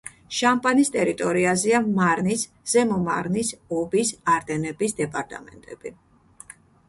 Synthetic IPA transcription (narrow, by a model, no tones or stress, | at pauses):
ʃampʼanist̪ʼɛɾit̪ʼɔɾiazɛamaɾnis | z̥ɛmɔma̰ɾnisɔbisaɾd̪ɛnɛbisd̪ɛpʼaɾt̪ʼa̰mɛ̰nt̪ʼɛb̥i